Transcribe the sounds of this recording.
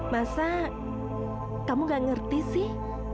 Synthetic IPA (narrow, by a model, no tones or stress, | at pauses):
masa | kamuɡaŋərt̪isɪh